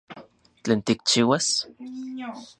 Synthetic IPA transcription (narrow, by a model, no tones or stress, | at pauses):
t͡ɬeːnt̪ik̚t͡ʃiːwas